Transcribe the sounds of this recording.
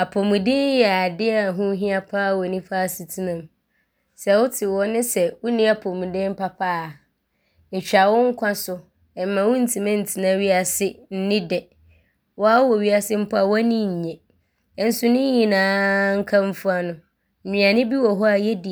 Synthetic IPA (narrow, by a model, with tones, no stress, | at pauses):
a˨pʰɔ˨mũ˨dɪ̃˦n˦jɛ˨a˨dɪ˦a˦˨a˨ɦʊ̃˦ɦĩ˦a˦pʰa˦˨wɔ˨nĩ˦faː˦˨si˨tʰi˦nã˨m | sɛ˨wʊ˦tʰɪ˨wɔ˦nɪ̃˦sɛ˨wʊ˦nĩ˦a˨pʰɔ˨mũ˨dɪ̃˦m˦pa˦pʰaː˦˨ | t͡ɕᶣa˨wɔ̃˦ŋ̩˦kʷʰã˦sʊ˦ | ɛ˨m˨mã˨wʊ˦n̩˦˨tʰĩ˨mã˦n̩˨tʰi˨nã˦ɥi˦a˨sɪ˦n̩˦nɪ̃˦dɛ˨ | wɔ˦a˦wɔ˨ɥi˦a˦sɪ˦m̩˦pʰa˨wa˦nĩ˦˨ɲ̩˨ɲɛ̃˨˦ | n̩˦sʊ˦nʊ̃˦ɲĩ˨nãː˨˦ŋ̩˦kʰã˦m˦fu˦a˦nʊ̃˨ | m̩˨mĩ˨ã˨nɪ̃˦bi˦wɔ˨ɦɔ˦a˨jɛ˦di˨